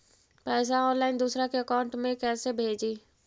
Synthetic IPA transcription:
pɛːs̬aɔ̃ːnlaːɪnd̪uːsɾakeəkaːʊ̃ɳʈmẽkɛːsebʱeːd͡ʒi

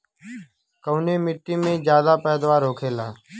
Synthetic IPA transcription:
kəʋneːmɪʈːiːmẽːd͡ʒjaːd̪aːpɛːd̪ʋaːɾoːkʰeːlaː

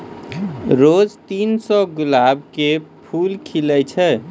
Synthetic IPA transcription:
ɾod͡ʒt̪insɔɡulabkepʰulkʰilɛt͡ʃʰɛ

